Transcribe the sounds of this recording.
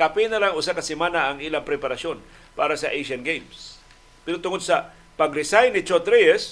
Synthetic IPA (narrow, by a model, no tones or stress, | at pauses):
kapinɐlaŋʊsakɐsɛmanaʔɐŋiːlaŋpɾɛpaɾaso̞n | paːɾɐsɐʔejʃɐnɡejms | pɛɾot̪ʊŋod̪̚sɐ | pɐɡɾɪsajnɪt͡ʃot̪ɾɛɛs